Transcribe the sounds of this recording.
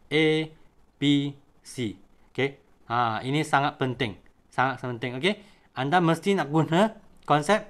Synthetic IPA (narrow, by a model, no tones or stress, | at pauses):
ʔe | pi | si | oke | ãinĩsaŋat̪̚pənt̪ɪŋ | saŋat̪̚ənt̪ɪŋoke | ʔandaməst̪inak̚ɡunə̃ | kɔnsɛp̚